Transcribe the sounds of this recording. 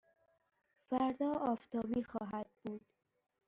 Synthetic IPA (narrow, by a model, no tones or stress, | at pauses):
fæɾd̪ɒːɒːft̪ʰɒːbiːxɒːɦæd̪̚b̥uːd̪̥